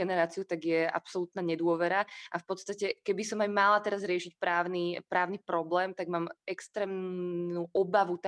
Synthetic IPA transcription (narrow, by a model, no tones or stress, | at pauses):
ɛnɛɾaːt͡siut̪aɡjɛa̰psɔlut̪naːɲɛd̪ʊɔʋɛɾaafpɔt̪st̪acɛkɛbisɔmajmalat̪ɛɾazɾɪɛʃicpɾaːʊnipɾaːʊnipɾɔblɛːmt̪aɡmaːmɛkst̪ɾɛːmuʔɔbaʋut̪a